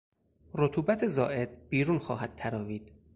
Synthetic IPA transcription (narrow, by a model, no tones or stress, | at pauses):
ɾot̪ʰuːbæt̪ʰe̞zɒːʔe̞d̪̥̚biːɾuːnxɒ̰ːɦæd̪̥̚t̪ʰæɾɒːviːd̪̥